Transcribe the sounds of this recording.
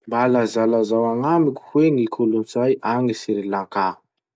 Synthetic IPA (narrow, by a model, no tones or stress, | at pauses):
mbalazalazawaŋamikʲu̥hweŋikʰulunt͡sajʔaŋisiɾilaŋka